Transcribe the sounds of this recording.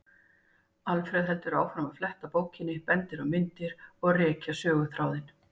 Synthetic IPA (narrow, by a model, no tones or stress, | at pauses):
alfɾɛðɦɛl̪t̪ʏɾaːwfɾamaflɛht̪apoːwcɪnːɪpɛnt̪ɪɾawmɪnt̪ɪɾɔɣrɛːcasœːɣʏθɾaːwðɪn